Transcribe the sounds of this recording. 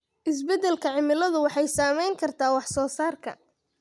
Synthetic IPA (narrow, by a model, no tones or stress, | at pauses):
ʔɪs̬bɛd̪ɛlkʰɐʕɪmɪlɐðʊwɑħɑjsaːmɛjŋkʰɐrt̪ʰaːwɑħsɔːsaːrkʰɐ̰